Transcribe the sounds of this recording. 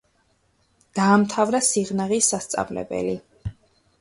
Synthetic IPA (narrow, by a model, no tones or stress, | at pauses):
d̪̥aːmt̪ʰavɾasiʁnaʁisːast̪sʼa̰vlɛ̰bɛ̰li